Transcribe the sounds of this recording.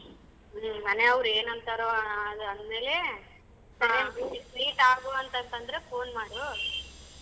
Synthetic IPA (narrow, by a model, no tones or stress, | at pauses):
mɐneɐʋɐɾeːnɐnt̪aːɾoɐd̪ɐnd̪me̞ːle | sɐɾiɐbisikliːʈaːɡoɐnt̪ɐnt̪ɐnd̪ɐɾefʰoːnmaːɽu